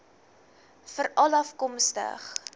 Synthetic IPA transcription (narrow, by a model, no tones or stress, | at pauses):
fəɾɐlɐfkɔmstə̰χ